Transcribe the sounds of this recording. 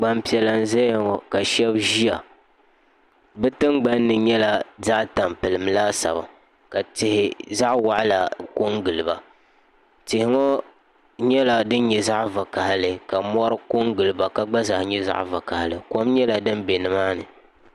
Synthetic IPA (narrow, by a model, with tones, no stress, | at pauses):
ɡ͡ba˨mpi˨ɛ˨la˨n̩˦zɛ˦jŋɔ˨ka˨ʃɛ˦bʒi˦a˨ | bɛ˦tɨ˦ŋɡ͡ba˦nːɨ˨ɲɛ˦la˨za˦ʔta˨mpɨ˨lɨ˨mlaː˦sa̰˨ba̰˨ | ka˨tɪ˨hɪ˨za˦ʔwa˨ʔla˨ko˦ŋɡɨ˨lɨ˨ba˨ | tɪ˨hɪ˦ŋɔ˦ | ɲɛ˦la˨dɨ˦n˦ɲɛ˨za˦ʔva˨ka˨ha˨lɨ˨ka˨mɔ˦ɾɨ˦ko˦ŋɡɨ˨lɨ˨ba˨ka˨ɡ͡ba˦za˨hɲɛ˦za̰˦ʔva̰˨ka˨hɪ˨lɨ˨ko˦mɲɛ˦la˨dɨ˦m˦be˨nɨ˨maː˦nɨ̰˨